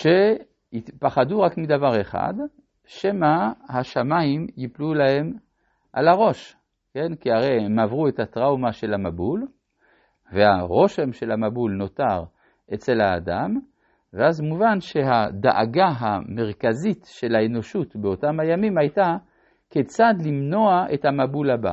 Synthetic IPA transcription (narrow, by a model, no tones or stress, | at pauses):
ʃe̞ | ipaχaduʁakmid̪avaʁeχa̰d̪ | ʃemahaʃamaimjiplulahe̞m | ʔa̰laʁo̞ʃ | ke̞nkiaʁejemavʁuetatʁawmaʃe̞lamabul | veha̰ʁo̞ʃe̞mʃe̞lamabulno̞taʁ | ʔet͡se̞lha̰ːda̰m | veazmuvanʃe̞ɦad̪a̰ʔa̰ɡaɦame̞ʁkazitʃe̞laeno̞ʃutbeotamhajamimajta | ket͡sad̪limno̞aʔe̞thamabulaba̰